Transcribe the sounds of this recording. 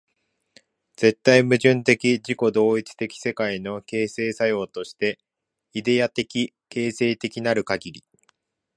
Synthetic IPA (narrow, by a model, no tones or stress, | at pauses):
d͡z̥e̞t̪ːaimɯ̟ʑɨ̃nt̪e̞kʲiʑiko̞d̪o̞ːit͡sɨ̥t̪e̞kʲi̥se̞kaino̞ke̞ːse̞ːsajo̞ːt̪o̞ɕi̥t̪e̞ | id̪e̞at̪e̞kʲi | ke̞ːse̞ːt̪e̞kʲinaɾɯ̟kaɡʲiɾʲi